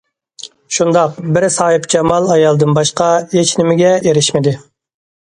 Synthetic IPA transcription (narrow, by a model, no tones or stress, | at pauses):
ʃund̪ɑqbɪɾsɑːhɨpt͡ʃʰɛmɑlˠɑjɑlˠd̪ɨnbɑʃqɑjet͡ʃʰnɪmɪɡʲɛeɾɪʃmɪd̪ɪ